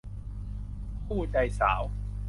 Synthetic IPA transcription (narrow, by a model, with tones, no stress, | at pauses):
pʰuː˥˩da˧jsa̰ː˩˦w